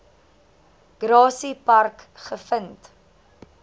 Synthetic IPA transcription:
ɡ̥ɾɑːsipɐrkχəfənt

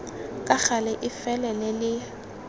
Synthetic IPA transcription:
kʼak͡xalɛʔɪfɛlɛlɛlɪ

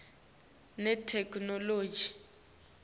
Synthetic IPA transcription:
nɛtʰɛkʰʼnɔloːd͡ʒi

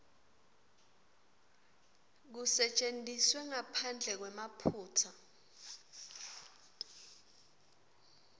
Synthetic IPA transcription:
k̬usɛt͡ʃʼentʼiswɛŋapʰand͡ɮʱɛk̬wɛmapʰuːtʰa

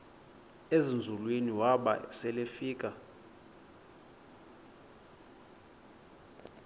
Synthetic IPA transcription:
ezind͡zʱulweniwaɓa̰sɛlefiːkʼa

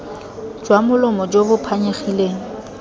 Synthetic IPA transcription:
d͡ʒwamʊlʊmɔd͡ʒobʊpʰaɲeχileːŋ̩

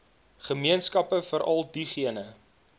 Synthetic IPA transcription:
χəmiənskɐpəfəɾʔɐlˠdiχiənə

